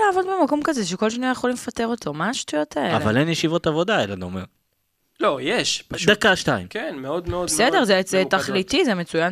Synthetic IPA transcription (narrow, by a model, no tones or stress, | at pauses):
laːvo̞d̪bemako̞mkazeʃ̬eko̞lʃaniaχolimefate̞ʁo̞to̞maːʃtujo̞t̪ʰaea̰lva̰lenjeʃivo̞t̪avo̞d̪aelanomḛʁ | lojeʃd̪akaʃtaimkenmeod̪meodbsede̞ʁzeet̪aχlitizemet͡sujan